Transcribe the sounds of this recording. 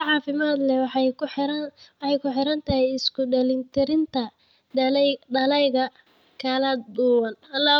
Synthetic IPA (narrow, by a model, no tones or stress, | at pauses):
ʕɑːfɪmaːd̪lɛw | wɑħɑjkʰʊħɪɾɐnt̪ʰɐɦɛjɪskʰʊɖɐlɪnt̪ʰɪɾɪnt̪ʰɐ | ɖɐlɛjɣɐ | kʰɐlɐd̪ʊwɐnɐla